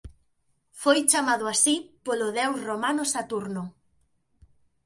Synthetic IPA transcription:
fojt͡ʃamaðʊasipoloðɛwsromanosat̪uɾnʊ

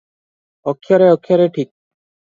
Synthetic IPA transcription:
ɔkʰːjaɾeɔkʰːjaɾeʈʰik̚

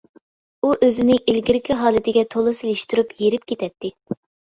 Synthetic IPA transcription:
uʔøzɪnɪʔilɡʲiɾɪkʲʰiɦɑːlˠɨt̪ʰɪɡʲɛt̪ʰolˠɨsɪlɪʃt̪uɾupjeɾɪp̚kʲet̪ʰɛt̪ʰːɪ

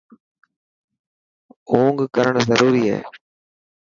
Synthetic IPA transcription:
oːŋɡkɐɾɐɳɐzɐɾuːɾijḛː

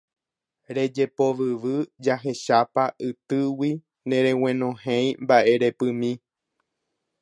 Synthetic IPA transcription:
ɾe̞d͡ʒe̞po̞ʋɨʋɨd͡ʒaɦe̞ʃapaʔɨt̪ɨwi | nẽ̞ɾẽw̃ẽ̞nõ̞hẽj̃mbaʔe̞ɾe̞pɨmĩ

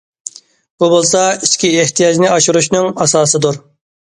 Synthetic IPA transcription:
bubolˠsɑiskʲieht̪ʰijɑd͡ʒnɪɑʃuɾuʃnɨŋɑsɑːsɨd̪uɾ

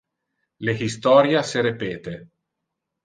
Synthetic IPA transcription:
lexist̪ɔːɾjaseɾepɛːt̪e

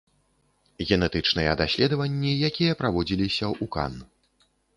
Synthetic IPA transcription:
ɣʲɛnɛt̪ɨt͡ʂnɨjɛd̪asʲlʲɛd̪ɐvɐnʲːijakʲijɐpɾavɔd͡zʲilʲisʲɐʔuka̰n

